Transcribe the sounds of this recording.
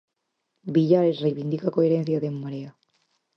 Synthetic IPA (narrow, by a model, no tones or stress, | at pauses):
biʎaɾesrejβind̪ikakoeɾen̟θjaðemːaɾea